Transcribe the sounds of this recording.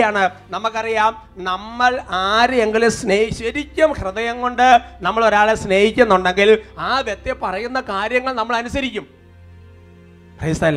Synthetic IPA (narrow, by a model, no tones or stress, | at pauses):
jaːɳɨnɐmːukːɐrijaːm | nɐmːɐɭaːɾeŋɡilesneːɕɐɾikʲːɐmhrɨðɐjɐŋɡo̞ɳɖɨnɐmːɐɭo̞ɾaːɭesne̞ːhikʲːunːuɳɖe̞ŋɡilaːʋjɐt̪ːjepːɐrɐjun̪ːɐkaːɾjɐŋːɐɭnɐmːɐɭɐnusɐɾikʲːum | prɐjst̪ɐlː